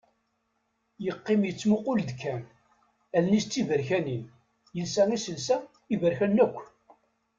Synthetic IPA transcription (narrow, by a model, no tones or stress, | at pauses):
jəqːɪmjət͡sːmʊqʊld̪kʰːæn | ælnist͡s̪ːivəɾçænin | jəlsæʁisəlsæ | ivəɾçænːækʷː